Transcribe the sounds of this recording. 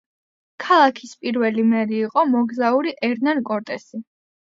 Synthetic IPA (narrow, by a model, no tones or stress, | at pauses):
kʰalˠakʰispʼiɾvɛlimɛɾiːqʼɔmɔɡzauɾiʔɛɾnankʼɔɾt̪ʼɛsi